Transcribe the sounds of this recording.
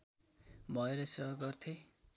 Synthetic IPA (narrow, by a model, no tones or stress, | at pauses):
bʱʌeɾʌsʌɦɡʌrt̪ʰe